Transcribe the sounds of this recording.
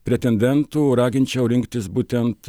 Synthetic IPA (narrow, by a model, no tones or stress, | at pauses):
pʲɾʲɛt̪ʲɛnʲd̪ʲɛnt̪uːɾɑːɡʲɪnʲt͡ʃʲɛʊɾʲɪŋkt̪ʲɪsbuːt̪ʲɛnt̪